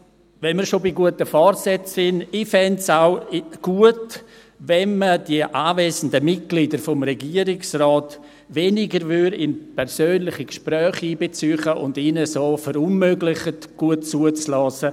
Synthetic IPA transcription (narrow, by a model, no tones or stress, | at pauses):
ʋɛnmiːɾʃobiɡuətəfɔrsɛt͡sːɪnɪfɛntsaʊɡ̥uət | vɛnməd̥iəʔaːvɛːzən̩dəmɪt̚ɡ̥lidəɾfɔmrɛɡiəɾɪksrɔːt | venɪɡəɾvʏɾɪnpʰɛɾsøːnlɪχikʃpɾœːχiːbet͡syːχəʔʊ̰ndiːnəsoːfɛɾʊnmøɡlɪχətɡ̥uətt͡suət͡slɔːsə